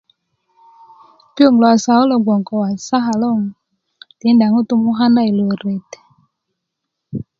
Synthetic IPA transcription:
po˦˨ŋla˨sa˨u˦lɔ˨ɡɔ˨ŋkɔ˨wa˨sa˦ɦa˨lɔ˦˨ŋ | t̪i˨˦nda˨ŋu˦t̪u˦˧mu˦ɦa˦nda˧˨i˨lo˨ɾe˨t̪e̥˨

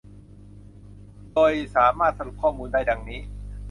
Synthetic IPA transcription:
doː˧jsaː˩˦maː˥˩t̪̚sa˧nu˨˩p̚kʰːɔː˥˩muː˧ndaː˥˩jda˧ŋniː˦˥

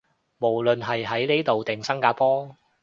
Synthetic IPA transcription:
mo˨˩wlɵ˨nɦɐ˨jɦɐ˨˥jne˥t̪o˨wt̪ɪ˨˩ŋsɐ˥ŋkaː˧pɔː˥

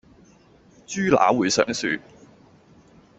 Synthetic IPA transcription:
t͡ʃyː˥la̰ː˨˥wuː˨˧jsœ̰ː˨˥ŋsy̰ː˧

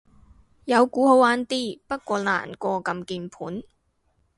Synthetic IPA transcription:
jɐ˨˧wkuː˨˥ho˨˧waː˨˥nt̪iː˥˩pɐ˥t̚kʷɔː˧la̰ː˨˩nkɔː˧kɐ˧mkiː˧npʰuː˨˥n

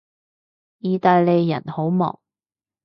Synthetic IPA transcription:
jiː˨˧t̪aː˧jle˨˧jːɐ̰˨˩nho˨˥wmɔ̰ː˨˩ŋ

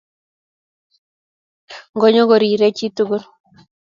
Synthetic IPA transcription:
ŋɡɔ˦ɲɔ˦ɡɔ˨ɾi˨ɾe˦t͡ʃi˦tu˦ɡu˦ɾ

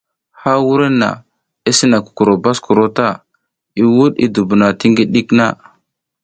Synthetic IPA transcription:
ha˦wu˦ɾi˦nːa̰˨ | i˦si˦na˨ku̥˨ku˨ɾo˨ba˦sku˨ɾo˦ta˦˨ | i˦wu˦ɗḭ˦du˨bu˨na˨ti˦ŋɡi˦ɗi˦kna˦

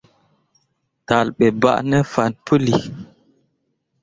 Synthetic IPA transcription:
ta˨lɓɛ˨ba̰˦ʔnə˦fa˨npʰə˦li˨

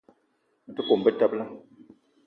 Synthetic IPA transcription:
a˨tɨ˦ko˨mbə˦ta˦bla˦

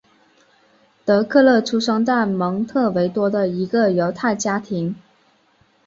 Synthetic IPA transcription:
t̪ɤ˧˥kʰɤ˥˧lɤ˥˩ʈ͡ʂʰu˥ʂɑ˥ŋt̪a˥˩mɤ˧˥ŋt̪ʰɤ˥˩we˧˥ɪt̪wɔ˥d̪ə˨i˧˥ɡə˧jo˧˥ʊt̪ʰa˥˩ɪt͡ɕja˥t̪ʰi˧˥ŋ

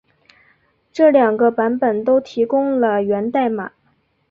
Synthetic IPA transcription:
ʈ͡ʂɤ˥˩ljɑ˨˩ŋɡə˦pa˧˥npə˨˩nt̪o˥ʊt̪ʰi˧˥kʊ˥ŋlə˨ɥɛ˧˥nt̪a˥˩ɪma̰˨˩˦

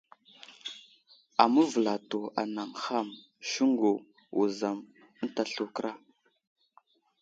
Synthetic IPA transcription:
a˨mə˦və˨la˨to˨a̰˨na˨ŋxa˦m | ʃu˦ŋɡo˨ | wṵ˨za˨m˦ | n̩˦ta˨ɬu˨kɾa˦

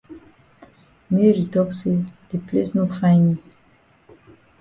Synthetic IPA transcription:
me˦ɾi˨t̪ɔ˦kse˦d̪̥e˨ple˦snũ˦fã˦ni˦

